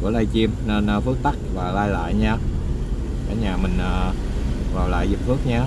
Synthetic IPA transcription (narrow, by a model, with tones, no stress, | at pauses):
ku˧˩laː˧jt͡ɕi˧əmne˧nː˧fɨ˦˥ək̚t̪a˦˥k̚vaː˨˩laː˧jla̰ː˧˨jɲaː˧ | kaː˧˩ɲaː˨˩mï˨˩ŋ̟ʔː | vaː˨˩wla̰ː˧˨jzi˨˩p̚fɨ˦˥ək̚ɲaː˧